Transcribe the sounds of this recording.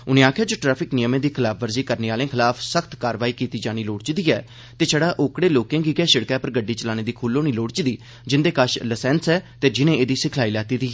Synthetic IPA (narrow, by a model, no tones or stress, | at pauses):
ʊnẽːaːkʰjaːd͡ʒoːʈɾɛːpʰɪknɪjəmẽːd̪iːkʰɪlaːpʰʋəɾziːkəɾneːaːlẽːkʰɪlaːpsəkʰt̪kaːɾʋaːiːkiːt̪iːd͡ʒaːñiːloːɽt͡ʃd̪iːɛː | t̪eːt͡ʃʰɛːɽaːʔoːkɽeːloːkẽːŋɡiːɡɛːʃɪɽkɛːpəɾɡəɖːiːt͡ʃəlaːñeːd̪iːkʰuːloːñiːloːɽt͡ʃɪd̪iː | d͡ʒɪnd̪eːkaʃləsɛːnsɛːt̪eːd͡ʒɪnẽːeːd̪iːsɪkʰlaːiːlɛːt̪iːd̪iː